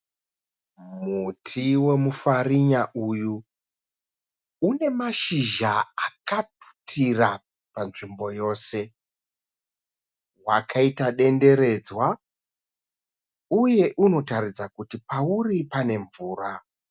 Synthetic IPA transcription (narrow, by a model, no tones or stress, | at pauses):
mutʰiwe̞mufariɲaʔuju | une̞maʃiʒaakatu̥tʰira | panʐimbo̞jo̞ːse̞ | wakʰaitaɗe̞nde̞ɾe̞d͡zwa | uje̞ʔuno̞tarid͡zakutipauripane̞ɱvuːra